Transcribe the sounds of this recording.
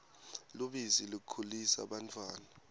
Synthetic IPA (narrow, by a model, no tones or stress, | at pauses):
luɓizilikʰulisa̰ɓantʰʼwaːna